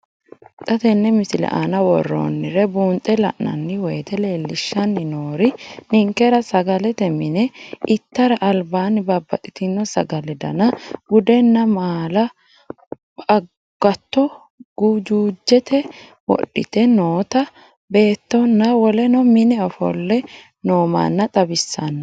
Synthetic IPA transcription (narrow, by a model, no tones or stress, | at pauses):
t̪ʼɐt̪ɛnːɛmɪsɪlɛ̰ʔa̰nɐwɔrːo̰ːnːɪɾɛbuːnt̪ʼːɛlɐ̰ʔnɐ̰nːɪwɛjt̪ɛle̞ːlːɪʃːɐnːɪnoːɾɪnɪŋkːɛɾɐsɐɡɐlɛt̪ɛmɪnɛɪt̪ːɐɾɐʔɐlbaːnɪbabːɐt̪ʼɪ̥t̪ɪnːɔsɐɡɐlɛd̪ɐ̰nɐɡʊd̪ɛnːɐmaːlɐ | ɐ | ɡ̥ɐt̪ːɔ | ɡud͡ʒuːd͡ʒːɛt̪ʰɛ | wɔ̰ɗːɪ̰t̪ɛnoːt̪ɐ | be̞ːt̪ːɔnːɐwɔlɛnɔmɪnɛɔfɔ̰lːɛ | noːma̰ːnːɐt̪ʼɐbɪsːɐnːɐ